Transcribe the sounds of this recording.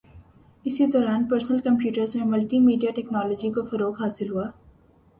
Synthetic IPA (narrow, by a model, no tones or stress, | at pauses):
ɪsid̪ɔːɾaːnpɐɾsnəlkɐ̃mpjuːʈəɾzmẽmɐlʈimiːɖijaʈɛːknaːlɔːd͡ʒikofɐɾoːkɦaːsɪlɦuaː